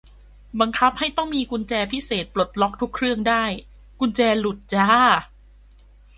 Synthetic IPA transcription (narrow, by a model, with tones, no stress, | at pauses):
ba˧ŋkʰa˦˥p̚ha˥˩jt̪ɔ˥˩ŋmiː˧ku˧nt͡ɕɛː˧pʰi˦˥seː˨˩t̪̚plo˨˩t̪̚lɔ˦˥k̚t̪ʰu˦˥kʰːɾɯ˥˩əŋdaː˥˩j | ku˧nt͡ɕɛː˧lu˨˩t̪̚t͡ɕaː˧˥